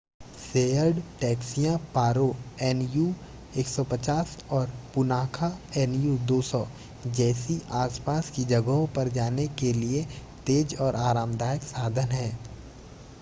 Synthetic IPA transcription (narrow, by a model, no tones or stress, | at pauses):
seːəɾɖʈɛːksijãpaːɾoɛːnju | eːksɔpɐt͡ʃaːsɔːɾpʊnaːkʰaɛnjud̪oːsɔ | d͡ʒɛːsiʔaːspaːskid͡ʒɐɡɦõpɐɾd͡ʒaːnekeliet̪eːd͡ʒɔːɾʔaːɾaːmd̪aːjəksaːd̪ʱənɦɛ̃ː